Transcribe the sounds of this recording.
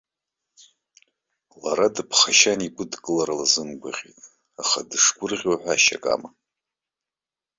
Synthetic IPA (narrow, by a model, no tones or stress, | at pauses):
laɾadɨpʰχaʃanikʷʼʊdkʼɨlaɾalazɨnɡʷaʁʲḛtʼ | aχadɨʂɡʷʊrʁʲoħʷᶣaʃa̰kʼa̰ma